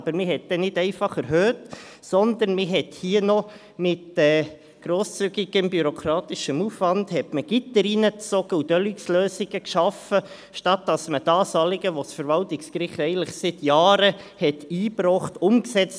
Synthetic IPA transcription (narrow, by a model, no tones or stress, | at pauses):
bəɾmɪɦɛt̚d̥̪ɛnɪdɛɪfɑχɛɾɦøːt | sɔnd̪ənmɪɦɛthiənɔ | mɪtɛː | ɡ̥ɾoːst͡syɡiɡ̥əmbyɾokʰɾɑːt̪ɪʃəmuːfʋɑndhɛtməɡ̥itəɾiːnət͡sɔɡ̥əudœliksløːsiɡəkʃɑfə | ʃtɑt̚d̥ɑsməd̥ɑːsɑːlɪɡəʋɔsfəɾʋɑltɪkskɾɪχtɛɪɡən̩tlɪχsɪt̪jɑːɾəhɛtiːpɾɔχtʊmksɛt͡st